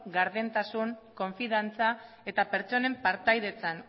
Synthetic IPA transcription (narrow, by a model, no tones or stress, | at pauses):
ɡaɾðent̪asuŋko̞ɱfiðant͡sa | e̞t̪ape̞ɾt͡so̞ne̞mpaɾt̪ajðe̞t͡san